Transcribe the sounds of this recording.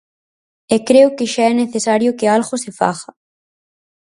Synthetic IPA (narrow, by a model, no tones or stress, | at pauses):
ekɾeʊkɪʃaɛneθesaɾjʊkealɣosefa̰ɣɐ